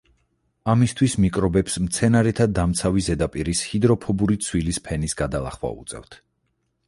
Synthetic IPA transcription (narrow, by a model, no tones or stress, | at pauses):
amist̪ʰwismikʼɾɔbɛpsmt̪sʰɛnaɾɛt̪ʰad̪amt̪sʰavizɛd̪apʼiɾishid̪ɾɔpʰɔbuɾit̪sʰwilispʰɛnisɡad̪alˠa̰χwa̰ṵt̪sʼɛ̰ft̪ʰ